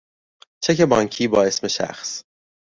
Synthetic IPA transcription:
t͡ʃʰeke̞bɒːŋcʰiːbɒːe̞sme̞ʃæ̰xs

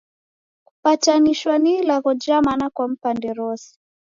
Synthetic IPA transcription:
kupataniʃwanilaɣɔd͡ʒamanakwam̩pandɛɾɔsi̥

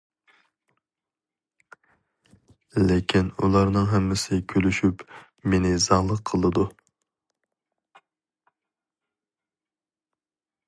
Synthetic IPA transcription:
lɪkʲʰinulˠɑɾnɨŋɦɛmːɪsɪkʲʰølyʃyp | menɪzɑŋlˠəqʰəlˠɨd̪u

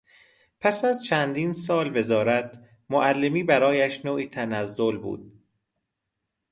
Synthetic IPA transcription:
pʰæsæzt͡ʃʰænd̪iːnsɒːlve̞zɒːɾæt̪ | moʔælːe̞miːbæɾɒːjæʃnoːʔiːt̪ʰænæzːolbṵːd̪̥̚

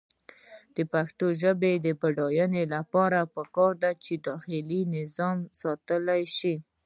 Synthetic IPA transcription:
d̪̥əpaxt̪oʒəbed̪əbaɖɑjənelapɑɾapəkɑɾd̪at͡ʃed̪ɑxɪlinɪzɑmsɑt̪əlajʃi

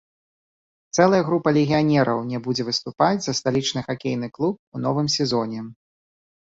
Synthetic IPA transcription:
t̪sɛlˠɐjɐɣɾupɐlʲɛɣʲijanʲɛɾʔɐ̰wnʲɛbud͡zʲɛvɨst̪upad͡zʲzɐst̪alʲit͡ʂnɨxakʲejnɨklˠup̚unɔvɨmsʲɛzɔnʲɛ

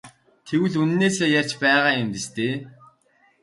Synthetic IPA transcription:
t̪ʰewɘ̆ɮun̆neːseːjar̥t͡ɕpæːʁaːjʊmpist̪eː

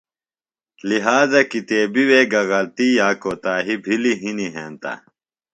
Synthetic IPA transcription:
liɦaːzɐkit̪eːbiweːɡɐɣɐlt̪ijaːkot̪aːɦibʱiliɦiniɦeːnt̪ɐ̰

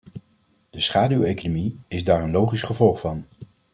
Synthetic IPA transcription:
d̥əsχaːdywejkonomiɪzdaːɹənlowχisχəvɔlˠχfɑn

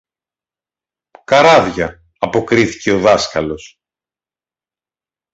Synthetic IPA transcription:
kɐɾɐvʝɐː | po̞kɾiθi̥ce̞o̞ðɐskɐlo̞s

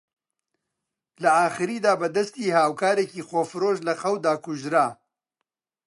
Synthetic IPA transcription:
lɐaːxɨɾiːd̪aːbɐd̪ɐst̪iːhaːwkaːɾeːkiːxoːfɨɾoːʃlɐxɐwd̪aːkuʒɾaː

